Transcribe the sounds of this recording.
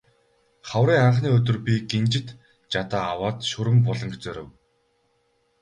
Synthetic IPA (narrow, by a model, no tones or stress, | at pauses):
χawɾiːŋaɴχniːɵt̪ɵ̆rpʲiɡent͡ɕɪ̆t̪ | t͡ɕat̪aːawaːt̪ʃɵɾɘ̆mpɔɮɞ̆ŋɡʰt͡soːɾɘ̆w